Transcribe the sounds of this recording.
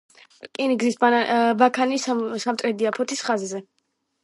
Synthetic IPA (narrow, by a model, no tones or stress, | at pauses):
kʼiniɡzisbabakʰanissamt̪ʼɾɛd̪iapʰɔt̪ʰisχazzɛ